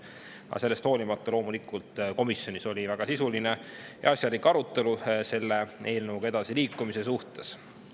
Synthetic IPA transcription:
ɑ̰se̞lːe̞st̪hoːlimɑt̪ːˑɑlo̞ːmulikult̪ˑko̞misjo̞niso̞lʲivæɡ̥ɑsisuline̞jɑ̰ɑsjɑɾlikːɑɾut̪ːˑe̞luse̞lːe̞e̞ːlnɤwɡ̥ɑe̞d̪̥ɑsiliːkˑːumise̞suht̪e̞s

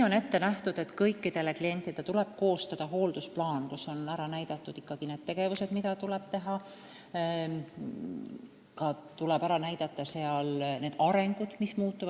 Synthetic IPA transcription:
io̞ne̞t̪ːe̞næht̪ud̪̥e̞t̪ːkɤjkːˑid̪e̞leklie̞nʲt̪ːˑid̪̥et̪uleb̥ko̞ːst̪ɑd̪̥ɑɦo̞ːld̪usplɑːnkusːo̞næɾɑnæjd̪̥ɑt̪ːˑud̪̥ikːɑɡ̥ineːd̪̥̚t̪e̞ɡ̥e̞vuse̞d̪̥mid̪ɑt̪ulɛb̥t̪e̞ɦɑ | kɑt̪ulɛbæɾɑnæjd̪̥ɑt̪ːˑɑseɑlne̞ːd̪̥ɑɾe̞ŋɡ̥ud̪̥mismuːt̪ːuvɑ̥

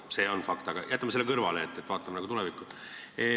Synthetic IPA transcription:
se̞o̞nfɑkt̪ɑɡ̥ɑ̰jæt̪ːˑɑmɑselːkɤrvɑleːt̪ːet̪ːvɑːt̪ːˑɑmɑnɑɡut̪ulɛvikːˑue

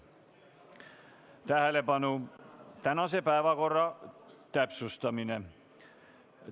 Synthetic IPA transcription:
t̪æɦlepɑnut̪ænɑsepæeʋækorːɑt̪æpsust̪ɑmine

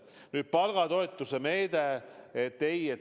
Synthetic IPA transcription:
nyːd̪̥̚pɑlɡ̥ɑd̪o̞et̪ːusemeːd̪̥eet̪ːeje

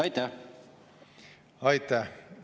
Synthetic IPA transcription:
ɑjt̪æ | ɑjt̪æh

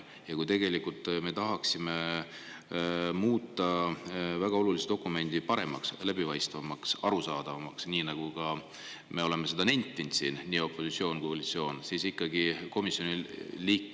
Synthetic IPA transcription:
jɑkujt̪e̞ɡe̞likult̪ːˑme̞t̪ɑɦɑksime | muːt̪ːˑɑvæɡ̥ɑo̞lulisd̪o̞kːˑume̞nʲd̪̥ipɑɾe̞̰mɑkslæbivɑjst̪vɑmɑksɑɾusɑːd̪̥ɑvɑmɑksniːnɑɡ̥ukɑ | me̞o̞le̞mese̞d̪ɑne̞nʲt̪ʲˑːint̪siːnniːo̞pˑːo̞sit̪sio̞ːnkujkolit̪sio̞ːnsiːsikˑːɑɡiko̞misːˑjo̞niliːkː

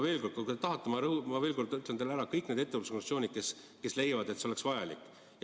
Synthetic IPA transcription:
veːlkod̪kok̪et̪ɑɦɑt̪ːˑemɑɾɤhumɑve̞ːlko̞rd̪yt̪ːˑlend̪elæɾɑkɤjkːˑned̪e̞t̪ːe̞vɑlusekoŋsio̞ːnʲid̪̥̚ke̞s | ke̞sle̞jɑvɑd̪e̞t̪seo̞le̞ksvɑjɑlḭkːˑ

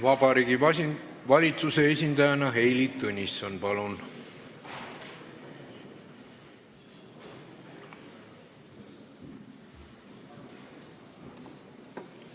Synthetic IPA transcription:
vɑbɑɾiːɡi | vɑlʲit̪suse̞esʲind̪ɑjɑnɑɦe̞jlit̪ːɤnʲisonpɑlun

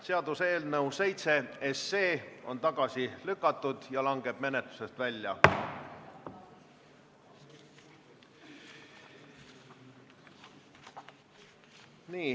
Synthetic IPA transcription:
se̞ɑd̪use̞ːlnɤwse̞jt̪se̞esːeːo̞nt̪ɑɡ̥ɑsilykːˑɑt̪ːˑud̪̥jɑlɑŋɡe̞b̥̚me̞ne̞t̪lu̥se̞st̪vælʲjɑ | niː

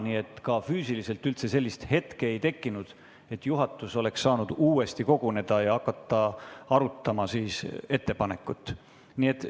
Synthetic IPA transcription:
nie̞t̪ːˑkɑfyːsilise̞lt̪ːˑylt̪se̞se̞lʲːist̪he̞t̪keejt̪e̞kːˑinud̪̥ | e̞t̪ːˑjuɦɑt̪ːˑuso̞le̞ksːɑːnud̪̥uːe̞st̪iko̞ɡ̥une̞d̪̥ɑjɑɑkːɑt̪ːˑɑɑɾut̪ːˑɑmɑsiːse̞t̪ːe̞pɑne̞kːˑut̪ːˑ | nie̞t̪ː

